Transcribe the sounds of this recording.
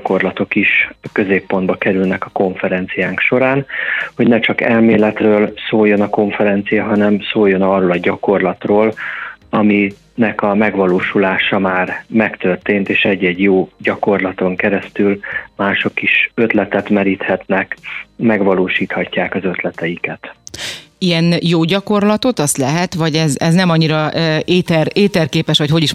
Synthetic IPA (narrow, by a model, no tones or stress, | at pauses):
ko̞rlɒt̪o̞kiʃkø̞zeːpːo̞nd̪bɒkɛɾylnɛkɒ̥ko̞ɱfɛɾɛnt̪sijaːŋkʃo̞ɾaːnho̞ɟnɛt͡ʃɒkɛlmeːlɛt̪røːlsoːjːo̞nɒko̞ɱfɛɾɛnt̪sijɒɦɒnɛmsoːjo̞nɒroːlɒɟɒko̞rlɒt̪roːlɒmi | nɛkɒmɛɡʋɒloːʃulaːʃɒmaːrmɛkt̪ø̞rt̪eːnt̪eːʃɛɟːɛɟjoːɟɒko̞rlɒt̪o̞ŋkɛɾɛst̪ylmaːʃo̞kːiʃø̞t̪lɛt̪ɛt̪mɛɾiːt̪hɛt̪nɛkmɛɡʋɒloːʃiːt̪hɒcːaːkɒzø̞t̪lɛt̪ɛjikɛt̪ | ijɛnjoːɟɒko̞rlɒt̪o̞t̪ɒst̪lɛɦɛt̪ʋɒɟɛzɛznɛmɒɲːiɾɒeːt̪ɛreːt̪ɛrkeːpɛʃʋɒcho̞ɟiʃ